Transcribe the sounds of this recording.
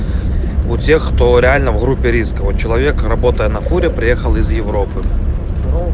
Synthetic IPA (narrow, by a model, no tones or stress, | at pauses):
utʲexːt̪oɾʲɪalʲnəvɣɾupʲːɪɾʲiskɐvot͡ɕːɪlˠɐvʲekrɐbot̪əjɛnɐfuɾʲɪpɾʲɪjexəlˠizjɪvɾopɨ